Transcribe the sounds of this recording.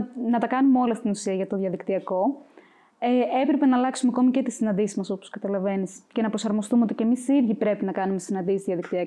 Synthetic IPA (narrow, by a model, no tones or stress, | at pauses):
nɐt̪ɐkɐnumeolɐst̪inusiɐʝɐt̪o̞ðʝɐðikt̪iɐko̞ | eepɾe̞pe̞nɐːlɐksumeɐko̞micet̪isinɐnd̪isizmɐso̞poskɐt̪ɐlɐve̞nisce̞nɐpɾo̞sɐɾmo̞st̪umeo̞t̪icemisiðʝipɾe̞pinɐkɐnumesinɐnd̪isizðiɐðikt̪iɐ